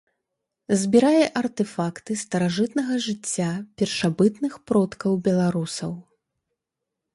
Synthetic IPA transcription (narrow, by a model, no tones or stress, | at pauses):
zʲbʲiɾajɛʔɐrt̪ɛfakt̪ɨst̪ɐɾaʐɨt̪nɐɣɐʐɨt͡sʲːapʲɛrʂabɨt̪nɨxpɾɔt̪kɐwbʲɛlˠaɾusɐw